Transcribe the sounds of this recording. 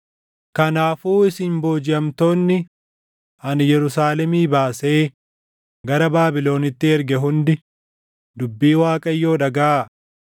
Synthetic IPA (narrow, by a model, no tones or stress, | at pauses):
kɐnaːfuːɪsɪmbo̞ːd͡ʒɪʔɐmt̪o̞ːnːɪ | ɐnjɛɾʊsaːlɛmiːbaːse̞ː | ɡɐɾɐbaːbɪlo̞ːnɪt̪ːɪɛɾɡɛɦʊnd̪ɪ | d̪ʊbːiːwaːkʼɐjːo̞ːᶑɐɡɐʔa